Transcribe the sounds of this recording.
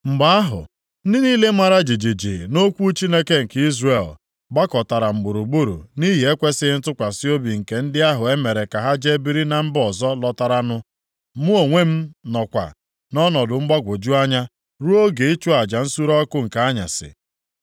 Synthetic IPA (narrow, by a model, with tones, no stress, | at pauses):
m̩˨ɡ͡ba˦a˦ɦʊ̰˨ | n̩˦dɪ˦ni˦le˦ma˦ɾa˦d͡ʒi˨d͡ʒi˨d͡ʒi˨no˦kʷu˦t͡ʃi˦ne˦ke˦ŋ̩˨ki˦zre˨l | ɡ͡ba˦kɔ˨ta˨ɾa˨m̩˨ɡ͡bu˨ɾu˨ɡ͡bu˦ɾṵ˨ni˦ɦi˨e˦kʷe˦sɪ˦n̩˦tʊ˦kʷa˨sɪ˦o˦bi˨ŋ̩˨ke˨n̩˦dɪ˦a˦ɦʊ˨e˦me˨ɾe˨ka˨ɦa˦d͡ʒe˦bi˦ɾi˦na˨m̩˦bɔ˨zɔ˦lɔ˦ta˦ɾa˦nʊ˦ | mu˦o˨ŋʷe˦m̩˦nɔ˨kʷa̰˨ | nɔ˦nɔ˨dʊ˨ŋ͡m̩˦ɡ͡ba˦ɡʷʊ˨d͡ʒu˦a˦ɲa˦ | ɾu˦o˦ɡe˨i˦t͡ʃu˦a˨d͡ʒa˨n̩˦su˦ɾɔ˦kʊ˦ŋ̩˨ka˨˦ɲa̰˨sɪ̰˨